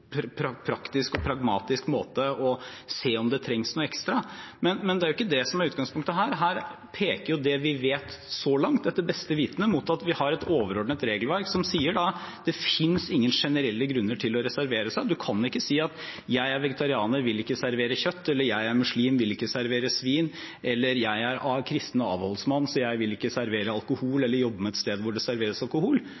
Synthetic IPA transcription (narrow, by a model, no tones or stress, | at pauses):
ppʰɾɑpʰɾɑkt̪ɪskɔpʰɾɑɡmɑːt̪ɪskmoːt̪əɔseːɔmd̪ɛt̪ʰɾɛŋsnuːɛkst̪ɾɑmɛnmɛnd̪ɛæɾʊɪkːəd̪ɛsɔmæɾʉːt̪̚ɡɑŋspʰʊŋkt̪əɦæːɾɦæːɾ | pʰeːkəɾjʊd̪ɛʋɪʋeːt̪sɔlɑŋt̪̚d̪ɛt̪ːəbɛst̪əʋiːt̪nəmut̪ɑt̪ʋɪhɑɾɛt̪oːʋəɾɔɖɳət̪ɾeːɡəlʋæɾksɔmsiːəɖɑd̪̥ɛfɪnsɪŋːənʂɛnəɾɛlːəɡɾʉnːəʈʰɪlɔɾɛsæɾʋeːɾəsæɪd̪ʉkʰɑnɪkːəsiːɑt̪jæɪæɾʋɛɡət̪ʰɑɾɪɑːnəɾʋɪlɪkːəsæɾʋeːɾəçœt̪ːɛlːəɾjæɪæɾmʉʂliːmʋɪlɪkːəsæɾʋeːɾəsʋiːn | ʔɛlːəɾjæɪæɾɑkʰɾɪst̪ənəɑ̰ːʋhɔlsmɑnːsɔjæɪʋɪlɪkːəsæɾʋeːɾəɑlˠkʊhuːlɛlːəɾjɔbːəmɛɛt̪st̪eːd̪ʋʊɖɛsæɾʋeːɾəsɑlkʊhuːl